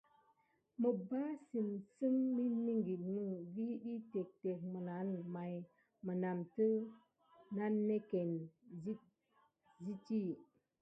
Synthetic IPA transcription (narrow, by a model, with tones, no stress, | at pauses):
mə˨ba˦si˨msɨ˦mːi˦ni˦ŋɡi˨tnu˦ɡi˦ɗi˦te˨k̚te˨k̚mə˨na˨˦nma˨j | mə˨na˨mtə˦ | na˦nːe˦ke˨nzi˦ | zi˦ti˦˨